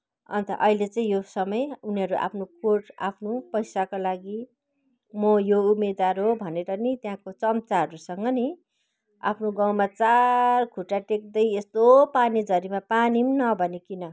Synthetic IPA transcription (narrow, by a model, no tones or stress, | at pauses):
ʌ̰nt̪ʌ̰ʔʌilet͡sʌĩjosʌmʌjuniɦʌɾuʔa̰pʰnokoʈa̰pʰnopʌjsakolaɡi | mʌjoumed̪waɾɦobʱʌneɾʌnit̪jãkot͡sʌmt͡saɦʌɾusʌŋɡʌni | a̰pʰnoɡaw̃mat͡sarkʰuʈaʈek̚d̪ʌjest̪opanid͡zʌɾimapanimnʌbʱʌnekinʌ